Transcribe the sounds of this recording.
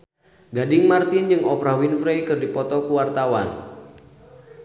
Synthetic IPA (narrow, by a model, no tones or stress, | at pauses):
ɡadɪŋmart̪ɪnd͡ʒɨŋɔpɾawinfɾejkɨrdipɔt̪ɔkuwart̪awa̰n